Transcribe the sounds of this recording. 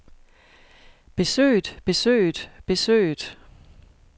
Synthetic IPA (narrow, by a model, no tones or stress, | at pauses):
b̥e̝sø̰ːd̥b̥e̝sø̰ːd̥b̥e̝sø̰ːd̥